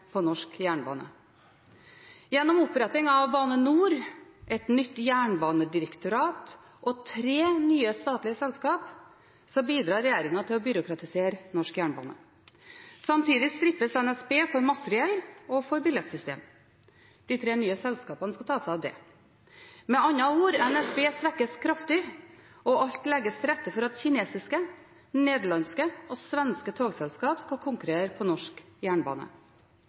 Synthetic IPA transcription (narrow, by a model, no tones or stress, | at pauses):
pʰɔnɔʂkjæːɳbɑ̰ːnə̰ | jɛnːɔmʊpːɾɛt̪ːɪŋɑʋbɑːnənuːɾʔɛt̪nʏt̪ːjæːɳbɑːnəd̪ɪɾəkt̪ʊɾɑːt̪ | ʔɔt̪ʰɾeːnyːəst̪ɑːt̪lɪəsɛlskɑːp | sɔmbiːd̪ɾɑːɾɛjeːɾɪŋɑt̪ɪlɔbʏɾʊkɾɑt̪ɪseːɾnɔʂkjæːɳbɑ̰ːnə̰ | sɑmt̪iːd̪ɪsd̪ɾɪfəsɛnɛspeːfɔɾmɑt̪əɾɪɛlːɔfɔɾbɪlɛt̪sʏst̪ḛːm | d̪̥it̪ʰɾeːnyːəsɛlskɑːpɑnəskɑt̪ʰɑːsæɑʋd̪ɛ̰ | mɛɑnːɑuːɾɛnɛspeːsʋɛkːəskʰɾɑft̪ɪ | ɔʔɑʎt̪lɛɡːəst̪ʰɾɛt̪ːəfɔɾɑt̪çɪneːsɪskə | neːd̪ɭɑnskəʔɔsʋɛnskət̪ʰoːɡsɛlskɑːpskɑkʰʊŋkʉɾeːɾpʰɔnɔʂkjæːɳbɑ̰ːnə̰